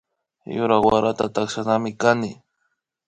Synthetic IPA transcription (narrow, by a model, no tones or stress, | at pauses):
jʊɾawaɾat̪at̪akʃanamɪkanɪ